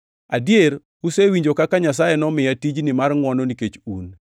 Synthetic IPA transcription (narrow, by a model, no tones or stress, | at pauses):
adjeɾ | usewiɲd͡ʒokakaɲas̬ajɛnɔmɪjatid͡ʒnɪmarŋwɔnɔniket͡ʃun